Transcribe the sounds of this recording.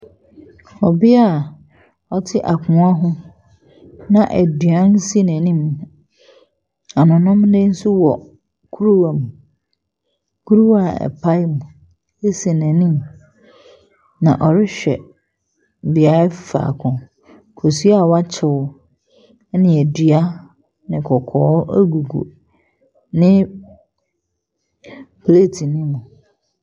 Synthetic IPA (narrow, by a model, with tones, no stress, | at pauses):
ɔ˨bɪ˦a˨ | ɔ˨tʰɪ˦ʔa˨kʰʊ̃˨a˦ɦʊ̃˦ | nã˨ʔæ˨dɥã˦n˦si˦næ̃˨nĩ˦m˨ | a˨nʊ̃˨nʊ̃˦m˦nẽ˦n̩˦sʊ˦wɔ˨ | kʰu˦ɾu˦wa˨mũ˨ | kʰu˦ɾu˦wa˦˨ɛ̰˨pʰa˦mũ˨ | e˦si˨næ̃˨nĩ˦m | nã̰˨ʔɔ˨ɾɪ˦ɕᶣɛ̰˨ | bi˨a˦fa̰˨kʰʊ̃˨ | kʰo˨si˦a˨wa˦t͡ɕʰɪ˨ʊ˦ | nɪ̃˨æ˨di˨a˦ | nɪ̃˨kʰɔ˨kʰɔː˨˦æ˦ɡu˨ɡṵ˨ | nɪ̃˦ | pʰle˦˨tʰi˨nɪ̃˦mũ˨